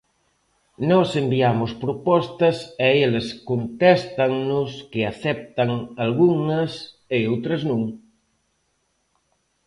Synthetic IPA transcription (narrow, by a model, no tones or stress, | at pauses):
nɔsembiamʊspɾopɔst̪ɐsɛelɐskont̪ɛst̪ɐŋnʊskɪaθɛp̚t̪ɐŋalɣuŋɐs | eowt̪ɾɐznũŋ